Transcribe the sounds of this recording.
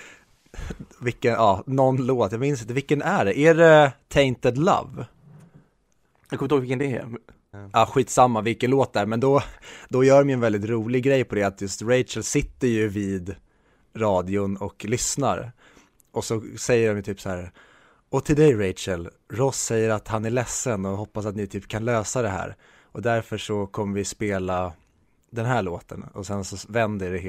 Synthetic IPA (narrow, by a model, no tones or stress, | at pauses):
vɪkːənʔɑːnɔnːloːt̪jɑaɡmɪnsɪnt̪əvɪlkːənæɖɛʔæɖɛt̪ʰɛɪnt̪əd̪la̰v | jɑkɔmɪt̪hoɡvɪkːənd̪ɛɛ̰ | ɑːɧiːt̪samːavɪlkənloːt̪̚d̪æɾmɛnd̪ɔd̪ɔjœːɾmɪjɛnvɛld̪ɪt̪ɾuːlɪɡɡɾɛjːpʰɔd̪ɛat̪jɵst̪ɾɛjt͡ʃəlsɪt̪ːəɾjɵviːd̪ | ɾɑːd̪ɪʊnɔklʏsnaɾ | ʔɔsɔsɛjːəɾɔmjət̪ʰyːpsahæːɾ | ɔt̪ʰɪld̪ɛjɾɛt͡ʃəl | ɾɔsːɛjːəɾat̪hanæɭɛsːənɔɦɔpːasat̪nɪt̪ʰyːpkʰanløːsad̪ɛɦæ̰ːɾ | ʔɔd̪æɾfœʂɔkʰɔmːəɾvɪspeːla | d̪ɛnɦæːɭoːt̪ə̰nɔ̰sɛnsɔvɛnd̪əɖɛ